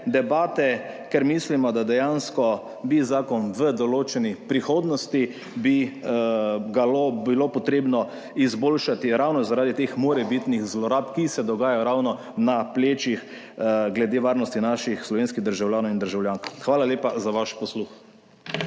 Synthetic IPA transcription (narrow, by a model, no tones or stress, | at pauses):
d̪ɛbaːt̪ɛ | kɛɾmislimɔd̪ad̪ɛjanskɔ | bizaːkɔnʋəd̪ɔloːt͡ʃɛnipɾixoːd̪nɔst̪i | bi | ɡalobilopɔt̪ɾeːbnɔ | izboːlʃat̪iɾawnɔzaɾaːd̪it̪eːxmoːɾɛbit̪nixzlɔɾaːpkisɛd̪ɔɡaːjajɔɾawnɔ | napleːt͡ʃix | ɡlɛd̪eːʋaːɾnɔst̪inaːʃixslɔʋeːnskiɣd̪əɾʒawljaːnɔwind̪əɾʒawljaːŋkxʋaːlaleːpazaʋaʃpɔslux